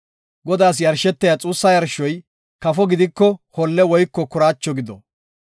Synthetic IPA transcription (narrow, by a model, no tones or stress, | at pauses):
ɡɔd̪aːs̬jɐɾʃɛt̪ːɛjɐt͡sʼuːsːɐjɐɾʃɔj | kɐfɔɡɪd̪ɪkːɔhɔlːɛwɔjkːɔkʊɾaːt͡ʃːɔɡɪd̪ɔ